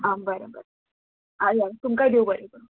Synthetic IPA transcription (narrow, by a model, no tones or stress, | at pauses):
ambəɾəbəɾ | aat̪umkaɖiobəɾebəɾ